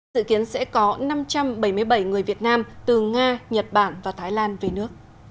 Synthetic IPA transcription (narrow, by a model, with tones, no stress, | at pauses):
zɨ̰˧˨ki˨˦ənsɛ̰˧˥kɔ˨˦na˧mt͡ɕa˧mɓə˧˩jmɨ˧əjɓə˧˩jŋɨ˨˩əjvi˨˩ət̚naː˧mt̪ɨ˨˩ŋaː˧ɲə˨˩t̚ɓaː˧˩nvaː˨˩t̪ʰaː˨˦jlaː˧nve˨˩nɨ˦˥ək̚